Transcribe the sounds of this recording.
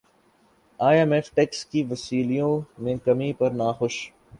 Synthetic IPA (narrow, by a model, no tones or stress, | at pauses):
aːemɛːfʈɛːkskiʋɐsiːlijõmẽkɐmipɐɾnaːxʊʃ